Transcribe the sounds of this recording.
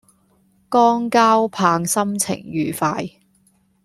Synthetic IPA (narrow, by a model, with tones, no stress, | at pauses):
kɔː˥ŋkaː˥wpʰaː˧ŋsɐ˥mt͡sʰɪ̰˨˩ŋjyː˨˩faː˧j